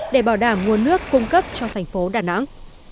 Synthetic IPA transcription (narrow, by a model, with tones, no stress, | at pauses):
ɗe˧˩ɓaː˧˩wɗaː˧˩mŋu˨˩ənːɨ˦˥əkːʊ˧ŋ͡mkə˦˥p̚t͡ɕɔ˧t̪ʰɛ˨˩jŋ̟fo˨˦ɗaː˧˩na̰˧˥ŋ